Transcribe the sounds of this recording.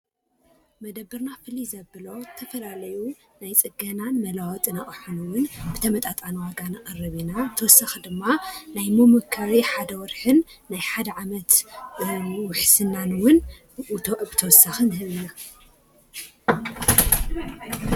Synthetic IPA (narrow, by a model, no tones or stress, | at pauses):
mɐd̪ɐbːɨɾnafɨlizɐbɨlo̞t̪ʰɐfɐlalɐju | najt͡sʼɨɡɐnanmɐlawt̪ʼɨnaʔʼɨħunuwʊnbɨt̪ʰɐmɐt̪ʼat̪ʼanwaɡanqʼɐrɨβinabɨt̪ʰɐwɔsːaxd̪ɨmːanajmomɨkʰaɾiħad̪ɐwɔɾħɨnːajħad̪ɐʕamɐt̪ | wʊħsɨnːanwʊn | ʔut̪ʰoʔbɨt̪ʰɐwɔsːaxɨnhɨβina